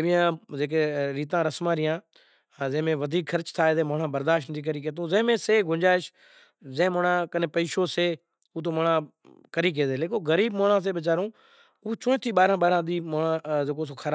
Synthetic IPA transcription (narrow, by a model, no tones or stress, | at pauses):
eʋɪjãːzeːk̬eːɾiːt̪ãːɾəsmãːɾɪjãː | zẽːmẽːʋəd̪ʱiːkxʰəɾt͡ʃt̪ʰaːeːzẽːmoːɳãːbəɾd̪aːʃʈnt̪ʰiːk̬əɾiːk̬eːt̪̬ũːzẽːmẽːseːɡʱʊ̃d͡ʒaːɪʃ | zẽmoːɳãːkənepəiːʃoːseː | uːt̪̬oːmoɳãː | kəɾiːk̬eːd̪eːleːkoːɣəɾiːbmoːɳãːs̬eːɓɪt͡ʃaːɾũː | uːt͡ʃõːt̪ʰiːɓaːɾãːɓaːɾãːd̪iːmoːɳãːzeːkoːs̬oːkʰəɾaː